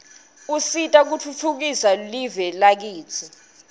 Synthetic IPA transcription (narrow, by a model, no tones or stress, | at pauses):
usitʼak̬utʰutʰuk̬isalivɛlak̬iːt͡sʰɔ